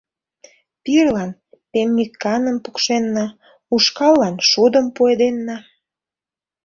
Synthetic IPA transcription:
pirlɑn | pemnʲikːɑnəmpukʃenːɑ | uʃkɑlːɑnʃud̪əmpued̪enːɑ

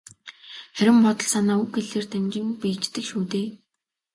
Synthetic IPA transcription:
χæɾʲɪ̆mpɔt̪ɞ̆ɮsanaːuxɡeɮeːrt̪ʰæmt͡ɕɪ̆mpĭt͡ɕt̪ɘ̆kʃuːt̪eː

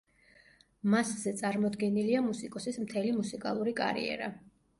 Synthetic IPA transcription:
maszɛt̪sʼaɾmɔd̪ɡɛniliamusikʼɔsismt̪ʰɛlimusikʼalˠuɾikʼa̰ɾḭɛ̰ɾa̰

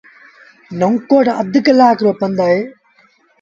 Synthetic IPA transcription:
nɐŋkːoːʈɐ̰d̪ɯkːɐlaːkɾopːɐnd̪ae

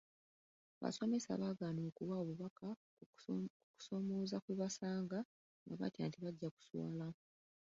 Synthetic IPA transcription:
βa̰so̞me̞sa̰βaːɡaːnoːkuβaoβuβaka | ku̥so̞mo̞ːzakweβasaːŋɡa | ŋɡaβa̰tja̰ːntiβaɟːaku̥swa̰ːla

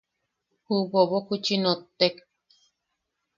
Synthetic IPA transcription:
huboβokut͡ʃinot̪ːek

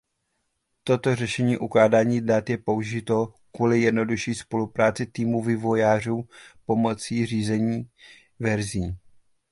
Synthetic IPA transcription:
t̪o̞t̪o̞r̝ɛʃɛɲiːʔuklaːdaːɲiːdat̪jɛpo̞uʒɪt̪o̞kvulɪjɛdno̞duʃiːspo̞lupɾaːt͡sɪt̪iːmuvɪvo̞jaːruːpo̞mo̞t͡siːriːzɛɲiː | vɛɾziː

